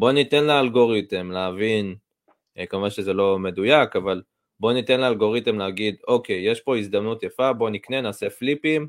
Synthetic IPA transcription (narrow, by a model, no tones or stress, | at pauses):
bo̞nit̪e̞nlaalɡo̞ʁitemleavin | kamuvaʃezelo̞me̞d̪ujakaval | bo̞nite̞nlaːlɡo̞ʁit̪emleaɡid̪o̞ke̞jjeʃpo̞isd̪amnut̪jafabo̞nikne̞naːse̞flipim